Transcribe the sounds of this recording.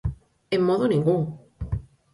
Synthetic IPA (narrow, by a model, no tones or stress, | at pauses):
emːoðonĩŋɡuŋ